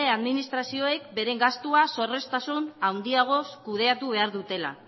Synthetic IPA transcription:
eaðminist̪ɾasio̞e̞kbe̞ɾe̞ŋɡast̪uaso̞re̞st̪asunawnd̪iaɣ̞o̞skuð̞e̞at̪uβ̞e̞aɾðut̪e̞la̰

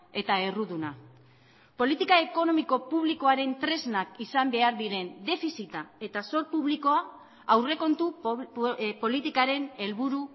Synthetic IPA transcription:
e̞t̪ae̞ruðuna | po̞lit̪ikae̞ko̞no̞miko̞puβ̞liko̞aɾe̞nt̪ɾe̞znakisambe̞aɾðiɾe̞nd̪e̞fisit̪ae̞t̪aso̞ɾpuβliko̞a | awre̞ko̞nt̪u | po̞lit̪ikaɾe̞ne̞lβuɾu

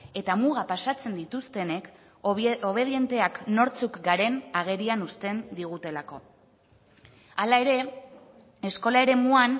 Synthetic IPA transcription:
e̞t̪amuɣ̞apasat͡se̞nd̪it̪ust̪e̞ne̞k | oβe̞ð̞ie̞nt̪e̞akno̞ɾt͡sukɡaɾe̞naɣ̞e̞ɾianust̪e̞nd̪iɣ̞ut̪e̞lako̞ | alae̞ɾe̞ | e̞sko̞lae̞ɾe̞muan

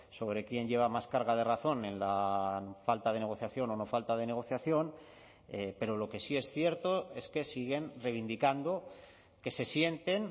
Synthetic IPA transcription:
so̞β̞ɾe̞kje̞nʝe̞β̞amaskaɾɣ̞að̞e̞raθo̞nẽ̞nlafalt̪aðe̞neɣo̞θjaθjo̞no̞no̞falt̪að̞e̞ne̞ɣ̞o̞θjaθjo̞n | epe̞ɾo̞lo̞ke̞sie̞sθje̞ɾt̪oe̞ske̞siɣ̞e̞nrejβ̞ind̪ikand̪o̞ | ke̞se̞sje̞nt̪e̞n

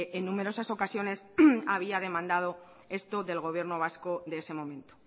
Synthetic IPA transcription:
ʔenːume̞ɾo̞saso̞kasjo̞ne̞saβ̞iað̞e̞mãnd̪að̞o̞ | e̞st̪o̞ðe̞lɣ̞o̞β̞je̞ɾnoβaskoðeese̞mõ̞mẽ̞nt̪o

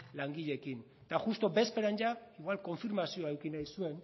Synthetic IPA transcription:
laŋɡiʎe̞kin | t̪axust̪o̞be̞speɾanʝaiɣwalko̞ɱfiɾmasio̞aewkinajsue̞n

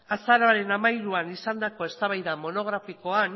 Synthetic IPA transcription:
asaɾoaɾe̞namajɾuanisand̪ako̞e̞st̪aβajðamo̞no̞ɣ̞ɾafiko̞an

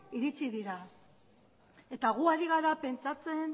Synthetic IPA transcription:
iɾit͡siðiɾa | e̞t̪aɣ̞uaɾiɣ̞aɾape̞nt͡sat͡se̞n

